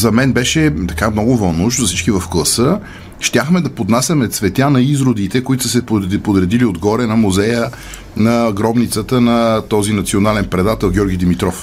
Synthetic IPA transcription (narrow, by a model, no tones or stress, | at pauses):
zɐmɛnbɛʃɛt̪ɐ̥kamnɔɡʊvɐnʊʃt̪zɐsit͡ʃkivɐfklˠəsə | ʃt̪ʲaxmɛd̪ɐpod̪nasʲəmɛt̪svɛt̪ʲjanɐizɾod̪it̪ɛkʊit̪ʊ̥səsɛppod̪ɾɛd̪iliod̪ɡɔɾɛnɐmuzɛjə | nɐɡɾɔbnit̪sət̪ənɐt̪ɔzinɐt̪sionalɛnpɾɛd̪at̪ɛlˠɡʲɔɾɡʲid̪imit̪ɾɔf